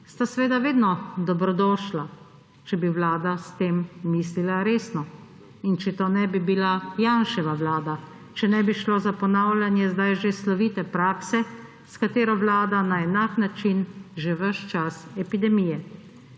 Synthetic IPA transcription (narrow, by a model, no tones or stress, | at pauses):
st̪asʋeːd̪aʋeːd̪nɔd̪ɔbɾɔd̪ɔːʃla | t͡ʃɛbiʋlaːd̪ast̪eːmːiːslilaɾeːsnɔ | int͡ʃɛt̪oːnɛbibilajanʃɛʋaʋlaːd̪a | t͡ʃɛnɛbiʃloːzapɔnaːwlʲjanjɛzd̪ajʒeslɔʋiːt̪ɛpɾaːksɛ | skat̪eːɾɔʋlaːd̪anaɛnaknat͡ʃinʒeʋəʃt͡ʃasɛpid̪ɛmijɛ